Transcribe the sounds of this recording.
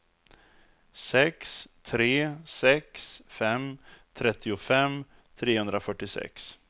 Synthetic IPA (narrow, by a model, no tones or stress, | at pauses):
sɛkst̪ʰɾeːsɛksfɛmt̪ʰɾɛt̪ʰːɪʊfɛm | t̪ʰɾeːhɵnd̪ɾafœʈːɪsɛ̰ks